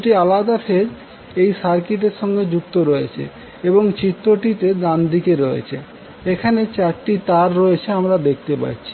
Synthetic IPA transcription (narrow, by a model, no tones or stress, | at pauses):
ʈialad̪afʰeɾ | ejsaɾkiʈ̬eɾʃɔŋɡed͡ʑuk̚t̪oɾɔet͡ɕʰḛ | eboŋt͡ɕit̪ːoʈit̪ed̪and̪ikeɾɔḛt͡ɕʰe | ekʰanet͡ɕaɾʈit̪aɾːɔjet͡ɕʰeamɾad̪ek̚t̪epa̰tːt͡ɕʰi̥